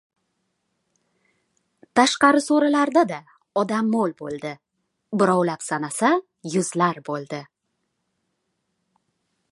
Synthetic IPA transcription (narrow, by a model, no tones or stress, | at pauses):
t̪ʰaʃqɑɾɪsoɾalaɾd̪ad̪a | ɒd̪amːolˠbolˠd̪ɪ | bɪɾɒwlapsanasa | jʊzlaɾbolˠd̪ɪ